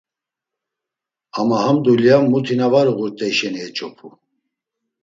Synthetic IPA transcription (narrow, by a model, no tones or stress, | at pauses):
amahamd̪uljamːut̪ʰinavaɾuɣuɾt̪ʼɛiʃɛniɛt͡ʃʼɔpʰu